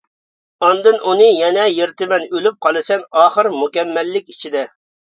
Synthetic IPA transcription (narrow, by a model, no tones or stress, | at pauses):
ɑnd̪ɨnʔunɨjɛnɛjeɾt̪ɪmɛnølyp̚qʰɑlˠɨsɛnɑːχəɾmukʲɛmːɛlːɪkʲit͡ʃʰid̪ɛ